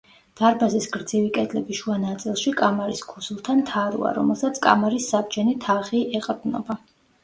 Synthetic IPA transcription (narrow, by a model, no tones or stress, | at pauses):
d̪̥aɾbazisɡɾd̪zivikʼɛd̪ʰʼlɛbiʃuanat̪sʼilˠʃikʼamaɾiskʰusulˠt̪ʰant̪ʰaɾṵa̰ɾɔ̰mɛlˠsat̪sʰkʼa̰maɾisːabd͡ʒɛnit̪ʰaχiʔɛqʼɾd̪nɔ̰ba